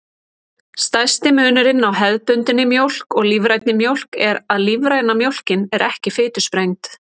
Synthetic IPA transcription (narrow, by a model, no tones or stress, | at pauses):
st̪ajst̪ɪmʏːnɪɾɪnːawɦɛðpʏnt̪ɪnːɪmjowl̥kɔɣlivɾajt̪nɪmjowl̥kɛɾaðlivɾajnamjowl̥cɪnɛɾʔɛhcɪfɪːt̪ʏ̥spɾejŋt̪